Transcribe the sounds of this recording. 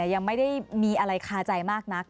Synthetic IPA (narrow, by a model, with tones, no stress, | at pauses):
ɐja˧ŋma˥˩jda˥˩jmiː˧ʔa˧ɾa˧jkʰaː˧t͡ɕa˧jmaː˥˩k̚na˦˥k̚